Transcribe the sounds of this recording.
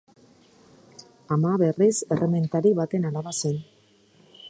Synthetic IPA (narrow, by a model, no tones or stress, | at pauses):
amaβe̞rise̞reme̞nt̪aɾiβat̪e̞naɾaβasen